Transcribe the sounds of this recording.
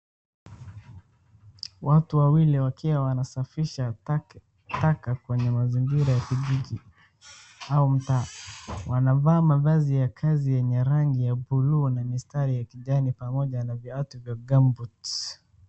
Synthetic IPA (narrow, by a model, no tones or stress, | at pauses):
watuwawiliwakʰiwawanasafiʃa | takakwɛɲɛmaziŋɡiɾajakiʄiʄi | aum̩taːwʔanavaːmaðazijakʰazijɛɲɛɾaŋɡijabulunamistaɾijakiʄanipamɔʄanaviatuvjaɡambut